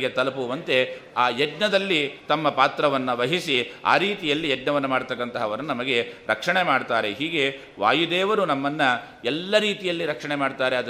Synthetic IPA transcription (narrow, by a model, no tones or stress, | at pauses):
ɡet̪ɐlɐpuʋɐnt̪e̞aːɛɖnɐd̪ɐlːit̪ɐmːɐpaːt̪ɾɐʋɐnːɐʋɐɦisia̰ːɾiːt̪ijɐlːiɛɖnɐʋɐnːɐmaːɽt̪ɐkːɐnt̪ɐɦɐːʋɐɾɐnunɐmɐɡe̞ɾɐkʂɐɳe̞maːɖt̪aːɾe̞ɦiːɡe̞ | ʋa̰ːjud̪eːʋɐɾunɐmːɐnːɐ | ɛlːɐɾiːt̪ijɐlːiɾɐkʂɐɳemaːɖt̪aːɾeɐd̪